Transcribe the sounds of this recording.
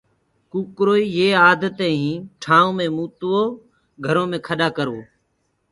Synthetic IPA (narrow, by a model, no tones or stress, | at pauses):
kuːkɾoːiːjeːaːd̪ət̪eːɦĩːʈʰaːõːmẽːmuːt̪ːoː | ɡʱəɾõːmẽːkʰəɗaːkəɾoː